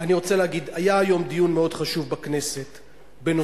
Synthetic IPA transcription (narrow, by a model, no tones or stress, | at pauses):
aniʁo̞t͡seleaɡid̪ajaːjo̞md̪ijunmeo̞dχaʃuvbakne̞se̞t̪ | beno